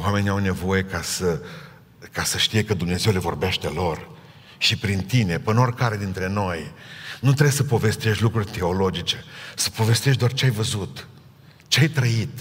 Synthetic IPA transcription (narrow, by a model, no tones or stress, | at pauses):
wame̞nʲiawne̞vo̞je̞kasə | kasəʃt̪ije̞kəd̪umne̞ze̞wle̞vo̞rbeʃt̪e̞lo̞r | ʃipɾint̪ine̞pəno̞rʲkaɾe̞d̪int̪ɾe̞no̞jnut̪ɾeesəpo̞ve̞st̪e̞ʃt̪ʲlukɾurʲt̪e̞o̞lo̞d͡ʒit͡ʃe̞sə̥po̞ve̞st̪e̞ʃ̬d̪oart͡ʃeajvəzut̪ | t͡ʃeajt̪ɾəit̪